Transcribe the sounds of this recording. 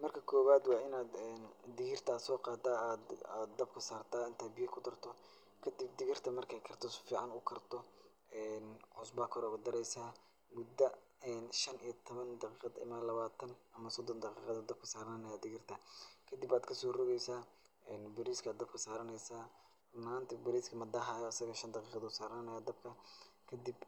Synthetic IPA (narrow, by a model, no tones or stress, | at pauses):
mɐrkʰɐkʰɔːβaːd̪wɑːɪnaːd̪ɛːnd̪ɪɣɪrt̪ʰɐːsɔːqɑːd̪aːd̪d̪d̪ɐbkʰɐsaːrt̪ʰaːɪnt̪ʰaːbɪjɐkʰʊd̪ɐrt̪ʰɔ | kʰɐd̪ɪb̚d̪ɪɣɪrt̪ʰɐmɐrkʰɛjkʰɐrt̪ʰɔsfiːʕɑnʊkʰɐrt̪ʰɔ | ɛːnʔʊsbɐːkʰɔɾɔɣɐd̪ɐɾɛjsaː | mʊd̪ːɐ | ɛːnʃɐnijɔt̪ʰɔβɐnd̪ɑqiːqɑd̪ɪ̰mɐlɐβaːt̪ʰɐnɐmɐsɔd̪ɔnd̪ɑqiːqɑðɐd̪ɐb̚kʰɐsaːɾɐnɐnɐjaːd̪ɪɣɪrt̪ʰɐkʰɐd̪ɪbaːd̪kʰɐsɔːrɔɣɛjsaː | ɛːnbɛɾiːskʰaːd̪d̪ɐb̚kʰɐsaːɾɐnɛjsaː | maːnt̪ʰɐbɪɾiːskʰɐmɐd̪ɐɦajɔɐsɐɣɐʃɐnd̪ɑqiːqɑðɐsaːɾɐnnɐjaːd̪ɐbkʰɐkʰɐd̪ib